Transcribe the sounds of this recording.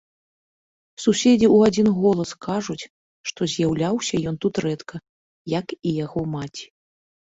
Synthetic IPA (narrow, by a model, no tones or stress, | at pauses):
susʲed͡zʲiuad͡zʲinɣɔlˠɐskaʐut͡sʲ | ʂt̪ɔzʲjawlʲawsʲɐjɔnt̪ut̪ɾɛt̪kʰɐ | jɐkijaɣɔmat͡sʲi̥